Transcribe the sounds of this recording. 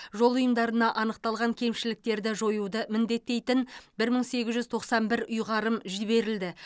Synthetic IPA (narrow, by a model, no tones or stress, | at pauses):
ʒo̞lˠʊjəmd̪ɑɾənɑʔɑnəq̚t̪ɑlˠʁɑŋkʲʰe̞mʃɪlɪk̚t̪e̞ɾd̪ɪʒo̞jud̪əmɪnd̪e̞t̪ːe̞jt̪ɪnbɪɾməɴse̞ɡʲɪzʒʏzt̪ʰo̞qsɑnbɪɾʊjʁɑɾəmʒɪβe̞ɾɪld̪ɪ